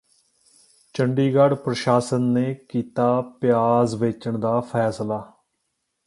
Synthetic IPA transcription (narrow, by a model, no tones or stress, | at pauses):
t͡ʃəɳɖiːɡəɽpɾəʃaːsənːeːkiːt̪aːpjaːzʋeːt͡ʃəɳd̪aːpʰɛːslaː